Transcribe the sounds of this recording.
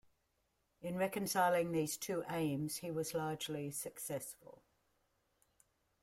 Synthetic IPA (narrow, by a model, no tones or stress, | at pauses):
ɪ̃nɹɛkə̃nsaɪlɪ̃ŋðiːz̥tʰʉːʔẽɪ̃mz̥hiwɒzlɑːd͡ʒlisəksɛsfə̰lˠ